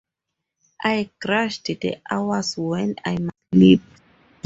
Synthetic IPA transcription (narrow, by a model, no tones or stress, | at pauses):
ʔajkɹaʃtdə̰ʔawəswɛ̃na̰jma | lip̚